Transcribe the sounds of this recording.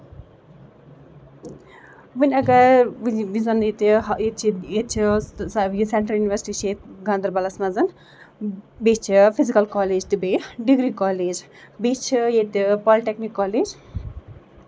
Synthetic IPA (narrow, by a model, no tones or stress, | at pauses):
ʋɨnʲɐɡɐɾʋizɐnet̪iet͡ʃʰiet͡ʃʰi | jiseɳʈɾɐljuniʋɐɾsʈiʃeːt̪ɡɐ̃nd̪ɐɾbɐlɐsmɐzɐn | beːt͡ʃʰifʰizikɐlkɔːleːd͡ʒt̪ibeːɖiɡɾikɔːleːd͡ʒ | biːt͡ʃʰijet̪ipɔːliʈeknikːaːleːd͡ʒ